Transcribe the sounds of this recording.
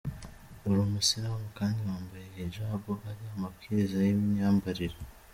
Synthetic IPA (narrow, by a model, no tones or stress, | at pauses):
oɾumusiɾaβakaːndiwaːmbajejeʒaːβoaɾiamapkiɾezajemaːmbaɾiɾe